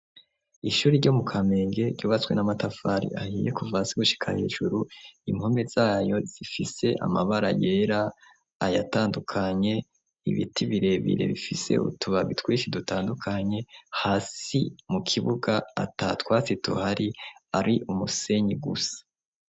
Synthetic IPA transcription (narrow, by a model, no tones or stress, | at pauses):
iʃuːɾiɾɟomukʰame̞ːŋɡe̞ɾɟuːβat͡swe̞̰namatafaɾḭʔahiːje̞kuvasiɡuʃi̥kʰa̰he̞̰ːʒuɾuimho̞mez̥aːjo̞z̥ifise̞ʔa̰ma̰βaɾajeːɾa | ajataːndukʰaɲe̞ | ḭβḭtiβiɾe̞βḭɾe̞̰βifise̞̰ṵtuβaβitwiːsidutaːndukʰaɲe̞haːsimukʰiβuɡa̰ːtatwaːt͡situhaɾiaɾiʔumuse̞ɲiɡusḁ